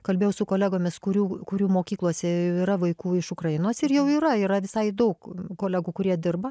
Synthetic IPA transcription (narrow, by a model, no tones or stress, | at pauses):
kɐlʲbʲeːjɛʊsʊkoːlʲæːɡoːmʲɪskʊɾʲuːkʊɾʲuːmoːkʲiːklˠuɔsʲɛjjɛʊiːɾɐʋɐɪkuːɪʃʊkrɐɪnoːsɪrjɛʊiːɾɐiːɾɐʋʲɪsɐɪd̪ɐʊkkoːlʲæːɡuːkʊɾʲiɛd̪ʲɪrbɐ